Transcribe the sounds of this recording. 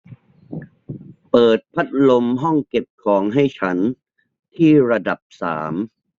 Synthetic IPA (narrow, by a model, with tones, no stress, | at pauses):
pɤː˨˩t̪̚pʰa˦˥t̪̚lo˧mɦɔ˥˩ŋke˨˩p̚kʰɔː˩˦ŋɦa˥˩jt͡ɕʰa˦˥n | t̪ʰiː˥˩ɾa˧da˨˩p̚sa̰ː˩˦m